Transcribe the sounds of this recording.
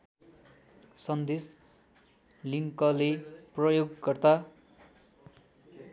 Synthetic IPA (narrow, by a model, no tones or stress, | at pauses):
sʌnd̪es | liŋkʌleprʌjoɡːʌrt̪a